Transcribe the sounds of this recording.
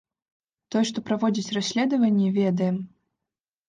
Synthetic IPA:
t̪ɔjɛʂt̪ɔpɾavɔd͡zʲit͡sʲrasʲlʲɛd̪ɐvɐnʲːivʲɛd̪ɐjɛm

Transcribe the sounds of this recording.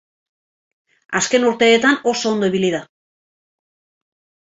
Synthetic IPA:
aske̞nuɾt̪e̞ːt̪ano̞so̞ːnd̪o̞iβiliða

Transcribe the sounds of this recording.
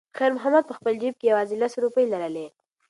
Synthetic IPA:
xaɾmʊɦamad̪̚pəxpəld͡ʒib̚kejawɑzilasɾupəjlaɾale

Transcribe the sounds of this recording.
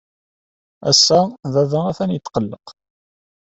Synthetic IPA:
æ̰sːaðæðææfænjət̪ːqəlːəq

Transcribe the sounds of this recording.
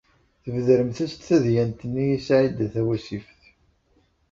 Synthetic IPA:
θəvðɾəmθæst̪θæðjænt̪ənːijisʕid̪æθæwæsifθ

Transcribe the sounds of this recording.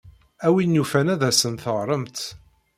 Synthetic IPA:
æwinjufænæðæsənθəʁɾˤəmt̪

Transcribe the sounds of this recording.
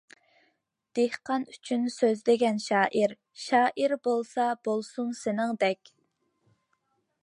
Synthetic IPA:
d̪̥ehqɑnyt͡ʃʰynsøzd̪ɪɡʲɛnʃɑːʔiɾ | ʃɑːʔiɾbolˠsɑbolˠsunsɪnɪŋd̪ɛkʲ

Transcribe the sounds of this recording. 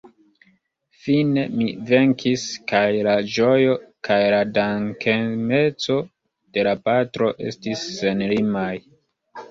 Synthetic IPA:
fine̞mive̞ŋkʰiskajlad͡ʒo̞jo̞kʰajladaŋkʰeme̞t͡so̞ | d̥e̞lapatɾo̞ʔe̞̰stisːe̞nlimaj

